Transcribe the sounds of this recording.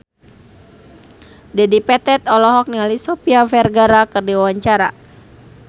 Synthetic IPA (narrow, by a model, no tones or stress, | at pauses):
dɛdipɛt̪ɛt̪ɔlɔɦɔk̚nialisɔpiafɛrɡaɾakɨrdiwawaɲt͡ʃaɾa